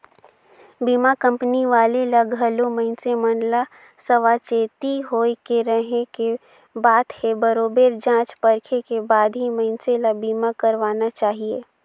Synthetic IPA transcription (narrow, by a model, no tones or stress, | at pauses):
biːmakə̃mpniʋaːlelɐɡɦəlomɐɪnsemɐnla | sɐʋat͡ʃeːt̪iɦoːikeɾəɦeke | baːt̪hebəɾoːbeːɾd͡ʒãːt͡ʃpɐɾkʰekebaːd̪ɦimɐɪnseləɡbiːmakɐɾʋaːnat͡ʃaːɦieː